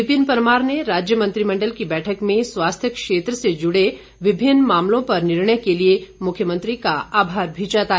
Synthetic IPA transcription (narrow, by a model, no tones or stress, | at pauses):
ɪbɪnpəɾmaːɾneɾaːd͡ʒjəmɐ̃nt̪ɾimɐ̃ɳɖəlkibɛːʈʰəkmẽswaːst̪ʰjəkʃeːt̪ɾəsed͡ʒʊɽe | ʋɪbʱɪnːmaːmlõpɐɾnɪɾɳəjkeliemʊkʰjəmə̃nt̪ɾikaaːbʱaːɾbʱiːt͡ʃat̪aː